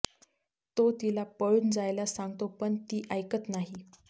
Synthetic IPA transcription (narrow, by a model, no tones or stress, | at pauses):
t̪ot̪ilapəɭuːnd͡zajlasaŋɡt̪opəɳt̪iːʔəjkət͡snaɦi